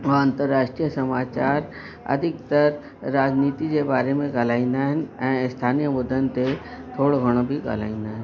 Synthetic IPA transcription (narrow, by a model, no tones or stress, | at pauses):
ʋɐə̃nt̪əɾːaːʃʈɾijəsɐmaːt͡ʃaːɾ | ɐ̰d̪ʱɪk̚t̪əɾ | ɾaːd͡ʒniːt̪ikebaːɾemẽɡalaːĩnd̪aɦənɛ̃ːst̪ʰaːnijəbʊd̪ənt̪et̪ʰoːɽoɡʱɐɽ̃obʱiɡa̰la̰ːĩnd̪aɦɛ̃